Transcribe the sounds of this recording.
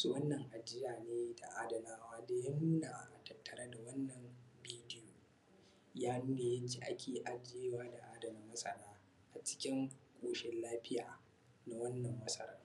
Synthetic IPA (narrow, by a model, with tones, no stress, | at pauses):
su˦˨wɐ˦nːɐ˨ŋʔa˨d͡ʒɪ˦jaː˨neː˦da˨ʔaː˦dɐ˨laː˦waː˦deː˦jɐ˦nu˦naː˨ʔa˨tɐ˦tːɐ˨ɾɐ˦da˨wɐ˦nːɐ˨mbiː˦dɪ˦joː˨ | jaː˦nuː˦neː˨jɐ˦t͡ʃi˦ʔa̰˦kʲeː˨ʔa˨d͡ʒe˦waː˦da˨ʔaː˦dɐ˨mɪ˦mɐ˦sʼɐ̰˦ɽaː˦ | ʔa˨t͡ʃɪ̥˦kʲɪ˦ŋkʷʼoː˨ʃɪ˦nlaː˦ɸɪ˦jaː˨ | na˨wɐ˦nːɐ˨mːɐ˦sʼɐ˦ɾɐ˦ŋ